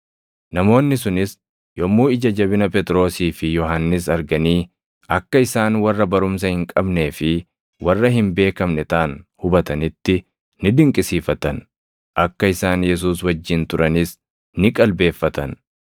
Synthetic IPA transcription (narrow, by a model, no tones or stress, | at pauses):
nɐmo̞ːnːɪsʊnɪs | jɔmːuːɪd͡ʒɐd͡ʒɐbɪnɐpɛt̪ʼɾo̞ːsiːfɪjɔɦɐnːɪsɐɾɡɐniː | ɐkːɐɪsaːnwɐrːɐbɐɾʊms̬ɐhɪŋkʼɐbne̞ːfɪ | wɐrːɐɦɪmbe̞ːkɐmnɛt̪aːnhʊbɐt̪ɐnɪt̪ːɪ | nɪd̪ɪŋkʼɪsiːfɐt̪ɐn | ʔɐkːɐɪsaːnjɛs̬uːswɐd͡ʒːɪnt̪ʊɾʔɐnɪs | nɪkʼɐlbe̞ːfːɐt̪ɐn